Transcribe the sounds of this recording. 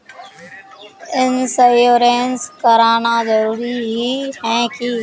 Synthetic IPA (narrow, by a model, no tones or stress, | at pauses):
ɪnsəjoːɾeːnskəɾaːnaːzəɾuːɾiɦiːhɛ̃ːkiː